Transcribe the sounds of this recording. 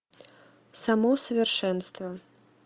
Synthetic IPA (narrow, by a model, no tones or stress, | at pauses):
samɔsɐvʲɛrʂɛnst̪vɐ